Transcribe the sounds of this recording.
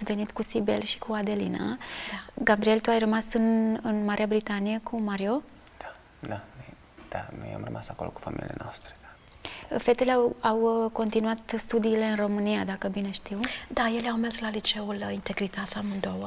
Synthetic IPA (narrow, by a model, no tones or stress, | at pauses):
ve̞nit̪kusibḛlʃi̥kuad̪elḭna̰ | ɡabɾie̞lt̪uajrəmasɨnɨnmaɾʔeabɾit̪anijekʰumaɾio | d̪̥ḁ | d̪anoj | d̪̥a̰no̰ja̰mrə̰masako̞lo̰ku̥fa̰mḭlḭjḛno̰ast̪ɾe̥d̪̥ḁ | fet̪eleawawko̞nt̪inuat̪st̪ud̪iːle̞ɨnro̞mɨnijad̪akəbine̞ʃt̪iwd̪aje̞leawmeslalit͡ʃe̞ulint̪e̞ɡɾit̪asʲamɨnd̪owə